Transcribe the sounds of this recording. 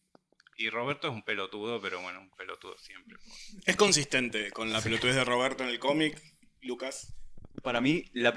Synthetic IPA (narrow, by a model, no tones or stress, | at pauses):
iroβeɾt̪oes̬umpelot̪uðopeɾo̰βwḛnoesumpelot̪ṵðo̰sjempɾeesko̞ns̬ist̪e̞nt̪e̞ko̞nlapelot̪ueðeroβeɾt̪oenelko̞mik | lukaspaɾamilap